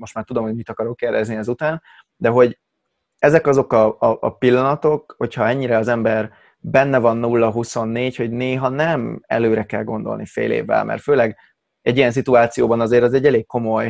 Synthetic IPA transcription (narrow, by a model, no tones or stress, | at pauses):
mo̞ʃt̪maːrt̪ud̪o̞mho̞ɟmit̪ɒkɒɾo̞kːɛrd̪ɛzniɛzut̪aːn | d̪ɛɦo̞ɟ | ɛzɛkɒzo̞kɒːʔpilːɒnɒt̪o̞k̚ho̞chɒɛɲːiɾɛɒzɛmbɛr | bɛnːɛvɒnːulːɒɦuso̞nːeːcho̞ɟneːɦɒnɛmɛ̰løːɾɛkɛlɡo̞̰nd̪o̞̰lnifḛːlḛːvːɛ̰lmʔɛ̰rt̪føːlɛɡ | ɛɟːijɛns̬it̪uaːt̪sijoːbɒnɒzeːɾɒzɛɟːɛleːkkːo̞mo̞j